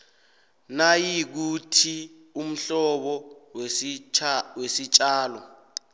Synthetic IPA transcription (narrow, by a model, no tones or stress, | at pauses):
najik̬utʰi | um̩ɬɔɓɔ | wesit͡ʃʼaːlɔ̰